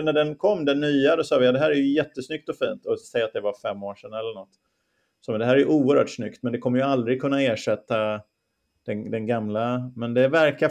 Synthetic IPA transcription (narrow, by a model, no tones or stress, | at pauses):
nːæɖɛnkʰɔmːd̪ɛnːyːad̪ɔsɑːvɪjad̪ɛɦæːɾæɾjɵjɛt̪ːəsnʏk̚t̪ɔfiːnt̪ɔsɛjːat̪̚d̪ɛvafɛmːoːʂɛnɛlːəɳɔt̪ː | sɔːmɛnd̪ɛɦæːɾɛjɵʔuːəɾhœ̰ːʈsnʏkt̪mɛnd̪ɛkʰɔmːəɾjɵald̪ɾɪɡkʰɵnːaeːʂɛt̪ːa | d̪̥ɛd̪ɛnɡamlamɛnd̪ɛvæɾka